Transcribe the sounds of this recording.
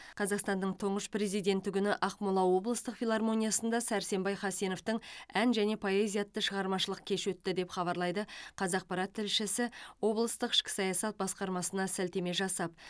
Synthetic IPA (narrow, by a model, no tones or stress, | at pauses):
qʰɑzɑqst̪ɑnd̪əɴt̪ʰʊɴʁəʃpɾe̞zijd̪e̞nt̪ɪɡʲʏnɪʔɑqmulˠɑwo̞blˠəst̪əqfilˠɑrmo̞nʲijasənd̪ɑsæɾse̞mbɑjχɑsijno̞ft̪əɴænʒæne̞pʰo̞e̞zijat̪ːəʃəʁɑɾmɑʃəlˠəq̚kʲʰe̞ʃwɵt̪ːɪd̪e̞pχɑβɑɾlˠɑjd̪əqʰɑzɑq̚pɑɾɑt̪ʰːɪlʃɪsɪwo̞blˠəst̪əqɪ̥ʃkʲɪ̥sɑjɑsɑt̪̚bɑsqɑɾmɑsənɑsælt̪e̞me̞ʒɑsɑp̚